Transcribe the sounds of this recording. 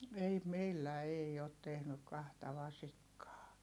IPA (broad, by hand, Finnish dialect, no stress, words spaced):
ei meilːæ ei ot tehnyk kɑhtɑ ʋɑsikːɑː